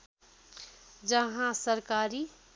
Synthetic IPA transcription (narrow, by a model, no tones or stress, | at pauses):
d͡ʒəɦãsəɾkaːɾi